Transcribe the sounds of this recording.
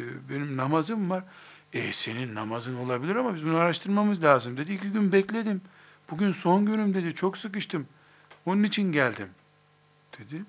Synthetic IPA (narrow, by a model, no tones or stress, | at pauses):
be̞nimnamazɯmvaɾ̥ | ɛse̞ninːamazɯno̞lˠabilʲiɾamabizbunaɾaʃt̪ʰɯɾmamɯzlʲaːzɯmd̪e̞d̪iːciɟynbɛclʲe̞d̪im | b̥uɟʲynso̞nɟønymd̪e̞d̪it͡ʃʰo̞ksɯkɯʃt̪ʰɯm | onunit͡ʃʰinɟælʲd̪im | d̪̥e̞d̪i